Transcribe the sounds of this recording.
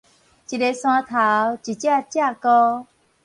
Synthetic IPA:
t͡ɕi˨de˧sw̃ã˧t̪ʰa˨˦wt͡ɕi˨˩t͡ɕja˥˧t͡ɕja˥˧˨kɔ˦

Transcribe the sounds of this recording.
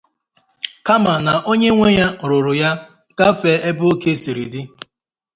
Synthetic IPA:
ka˦ma˨na˨ʔo˦ɲe˦ŋʷe˦ɲa˦˨ɾʊ˨ɾʊ˨ja˦ | ka˦fe˨e˦bʊ˦o˦ke˦si˨ɾḭ˨dɪ˦

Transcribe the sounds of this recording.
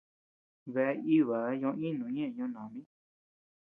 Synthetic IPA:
βe˧˦i˦˨βa˨˦ɲõ˧˦ĩ˦nũ˨˦ɲẽ˦˨ɲõ˧˦nã˨mĩ˦

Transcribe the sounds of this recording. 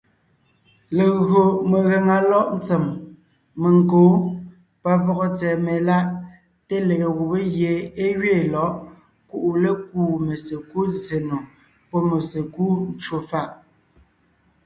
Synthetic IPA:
le˨ɣɰo˨me˨ɣe˨ŋa˨lɔ˦ʔn̩˦t͡se˨mː | e˨ŋ˨koː˨˦ | pa˦vɔ˦ɣɔ˦t͡sɛː˨me˨la˦ʔ | te˦le˨ɣe˨ɣu˨be˦ɣje˨e˦ɥeː˦˨lɔ˨˦ʔ | ku˦ʔu˨le˦kuː˦˨me˨se˨ku˦ze˨no˨ | pɔ˦me˨se˨ku˦n˦t͡ʃwo˨fa˦˨ʔ

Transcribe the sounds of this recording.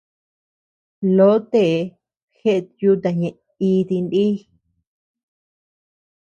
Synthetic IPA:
lo˦t̪e˦˨˧ | xe˦ʔt̪ju˦t̪a˧˨ɲẽ˨ʔ | i˧t̪i˧ndi˦

